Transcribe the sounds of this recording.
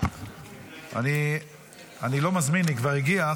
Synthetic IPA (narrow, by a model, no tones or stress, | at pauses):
a̰ni | anilo̞mazminikvaʁiɡia